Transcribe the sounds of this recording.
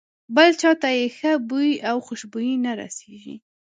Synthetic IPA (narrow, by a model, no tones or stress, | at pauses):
bəlt͡ʃɑt̪ajexəbujiʔawxʊʃbujinaɾa̰seʒḭ